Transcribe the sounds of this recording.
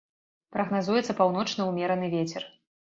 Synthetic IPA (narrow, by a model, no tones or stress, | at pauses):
pɾɐɣnazujɛt̪sɐpawnɔt͡ʂnɐwmʲɛɾɐnɨvʲet͡sʲɛr